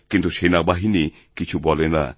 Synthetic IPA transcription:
kint̪usenabaɦini | kit͡ʃʰubɔlɛna̰

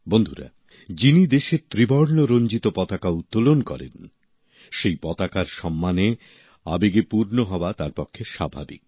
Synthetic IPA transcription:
bond̪ʱuɾa̰ | d͡ʑinid̪eʃet̪ɾibɔɾnoɾoɲd͡ʑit̪opɔt̪akaut̪ːolonkɔ̰ɾḛn | ʃejpɔt̪akaɾʃɔmːane | a̰beɡepuɾnoɦɔoat̪aɾpɔkʰːeʃa̰bʱa̰bḭk̚

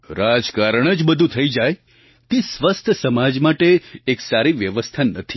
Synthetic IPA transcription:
ɾad͡ʒkaɾəɳ̃əd͡ʒbəd̪ʱũt̪ʰəid͡ʒaj | t̪isʋəst̪ʰəsəmad͡ʒmaʈeːksaɾiʋjəʋəst̪ʰanət̪ʰi

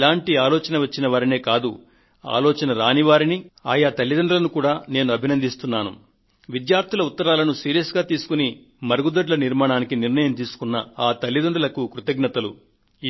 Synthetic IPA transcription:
laːɳʈiaːlɔːt͡ʃɐnɐʋɐt͡ʃːinɐʋaːɾine̞ːkaːd̪u | a̰ːlɔːt͡ʃɐnɐɾaːniʋaːɾiniaːjat̪ɐlːid̪ɐɳɖulɐnukuːɽaːne̞ːnuɐbʱinɐnd̪ist̪unːaːnṵ | ʋid̪jaːɾt̪ʰulɐut̪ːɐɾaːlɐnusiːɾijɐsɡaːt̪iːsu̥kuni | mɐɾɡud̪ɐɖlɐniɾmaːɳaːnikiniɾnɐjɐmt̪iːsu̥kunːɐaːt̪ɐlːid̪ɐɳɖulɐkukɾut̪ɐɡnɐt̪ɐlṵ

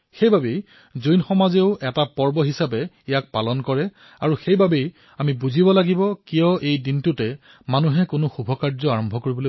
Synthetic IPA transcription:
xejbabej | zojnxɔmazeʊʔɛtapɔɹbɔɦisapɛ | ijak̚palɔnkɔɹɛ | aɹuxejbabej | amibuzibɔlaɡibɔkijɔejdintʊtɛ | manuɦɛkʊnʊxubʱɔkaɹzɔaɹɔmbʱɔkoɹibɔlo

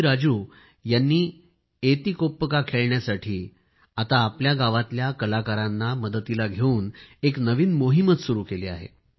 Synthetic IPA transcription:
ɾad͡zuː | janːiː | et̪ikopːəkakʰeɭɳjasaʈʰiː | at̪aːpljaɡaʋat̪ljakəlakaɾanːaməd̪ət̪ilaɡʱeuːneknəʋiːnmoɦimət̪suɾuːkeliːa̰ɦḛ

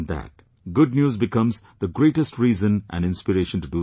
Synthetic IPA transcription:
d̪æ̰t̚ | ɡʊɖ̚njuːzbɪkʌ̃mz | d̪əɡɾeːʈəsʈʰɾiːzə̃nʔæ̰̃nɖɪ̃nspɨɾeːʃə̃nʈuɖu

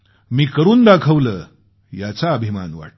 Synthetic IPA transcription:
miːkəɾuːnd̪akʰəʋləː | jat͡saəbʱima̰nʋa̰ʈ

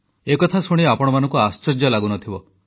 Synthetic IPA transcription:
ekɔt̪ʰasoɽ̃iapɔɽ̃ɔmanɔŋkuast͡ʃɔɾd͡ʒjɔlaɡunɔt̪ʰibɔ

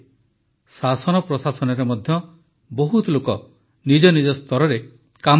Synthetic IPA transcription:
sasɔnɔpɾɔsasɔnɔɾemɔd̪ʱjɔ | bɔɦut̪ɔlokɔ | nid͡ʒɔnid͡ʒɔst̪ʰɔɾɔɾe | kam

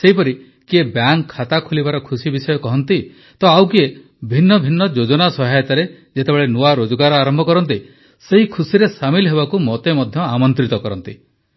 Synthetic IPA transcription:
seɦipɔɾi | kiebjaŋʰːat̪akʰulibaɾɔkʰusibisɔjɔkɔɦɔnt̪i | t̪ɔawkie | bʱinːɔbʱinːɔd͡ʒod͡ʒɔnasɔɦajt̪aɾe | d͡ʒet̪ebeɭenuwaɾod͡ʒɔɡaɾɔaɾɔmbʱɔkɔɾɔnt̪̬i | seɦikʰusiɾesamilɔɦebakumɔt̪emɔd̪ʱjɔamɔnt̪ɾit̪ɔkɔɾɔnt̪i

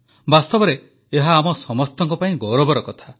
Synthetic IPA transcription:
bast̪ɔbɔɾeː | ɦaːmɔsɔmɔst̪ɔŋkɔpaĩɡɔwɾɔbɔɾɔkɔt̪ʰa

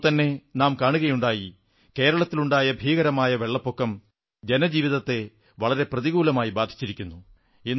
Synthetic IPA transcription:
t̪ɐnːe̞naːmkaːɳuɣɐjuɳɖaːji | ke̞ːɾɐɭɐt̪ːiluɳɖaːjɐbʱiːɣɐɾɐmaːjɐʋe̞ɭːɐpːo̞kːɐm | d͡ʑe̞nɐd͡ʑiːʋiðɐt̪ːe̞ | ʋɐɭɐɾe̞prɐðiɣuːlɐmaːjibaːd̪ʱit͡ɕːiɾikʲːunːu | i

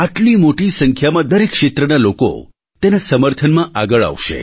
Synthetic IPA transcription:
aʈlimoʈisəŋkʰjamãd̪əɾekʃet̪ɾənaloko̰ | t̪enasəməɾt̪ʰənmãʔaɡəɭa̰ʋʃḛ

